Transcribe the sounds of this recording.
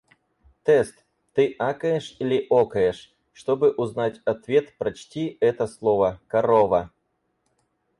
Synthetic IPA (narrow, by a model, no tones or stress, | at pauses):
t̪ɛst̪ | t̪ɨʔakəjɛʂilʲɪʔokɐjɛʂ | ʂt̪ɔbɨʔʊznatʲɐt̪vʲet̪pɾɐt͡ɕtʲiɛt̪əslˠɔvɐkɐɾɔvɐ